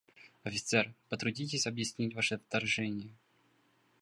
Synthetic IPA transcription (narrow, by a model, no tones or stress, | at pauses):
ɐfʲɪt̪sɛrpət̪ɾʊdʲit̬ʲɪsʲɐbjɪsʲnʲitʲvaʂɨft̪ːɐrʐɛnʲɪjə